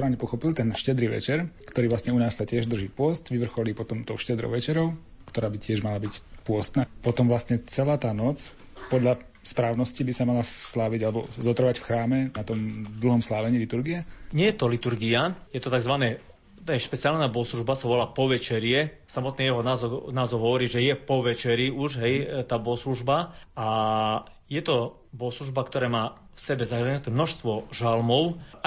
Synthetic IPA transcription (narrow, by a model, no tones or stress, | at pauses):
pɾaːʊɲɛpɔxɔpilt̪ɛnʃcɛd̪ɾiːʋɛ̰t͡ʃɛɾkt̪ɔɾiːʋlasɲɛunaːssacɪɛʒd̪r̩ʒiːpʊɔst̪ʋiʋr̩xɔliːpɔt̪ɔmt̪ɔʊʃcɛd̪ɾɔ̰ʊʋɛt͡ʃɛɾɔʊ | kt̪ɔɾaːbicɪɛʒmalabicpʊɔst̪naːpɔt̪ɔmʋlasɲɛt͡sɛlaːt̪aːnɔt͡s | pɔd̪ʎa | spɾaːʊnɔscibisamalaslaːʋiɟalɛbɔ̰zɔt̪ɾɔʋacfxɾaːmɛnat̪ɔmd̪l̩ˠɦɔmslaːʋɛɲiːlit̪uɾɡiɛɲɪɛjɛt̪ɔlit̪uɾɡiajɛt̪ɔt̪aɡzʋanɛː | t̪ɛʃpɛt͡sɪalnaːbɔsluʒbasaʋɔlaːpɔʋɛt͡ʃɛɾɪɛsamɔt̪̚niːjɛɦɔnazɔnaːzɔwɦɔʋɔɾiːʒɛjɛpɔʋɛt͡ʃɛɾiuʒɦɛjt̪aːbɔsluʒbaa | jɛt̪ɔ | bɔsluʒbakt̪ɔɾɛːmaː | fsɛbɛzaxɾɛɲɛt̪ɛːmnɔʃst̪ʋɔʒalmɔʊ